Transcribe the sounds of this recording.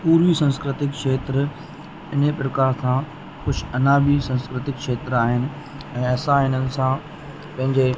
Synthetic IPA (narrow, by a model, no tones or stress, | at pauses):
puːɾʋisɐ̃nskɾɪt̪ɪkʃeːt̪ɾ | ɪnpɾɐkaːɾsʰã | kʊd͡ʑʰɐnaːbisɐ̃nskɾɪt̪ɪkʃeːt̪ɾaːɦɪnɪ̆ | ɛ̃ːɐsãɪnənɪ̆sã | pɐ̃ɦɪ̃ɲd͡ʑeː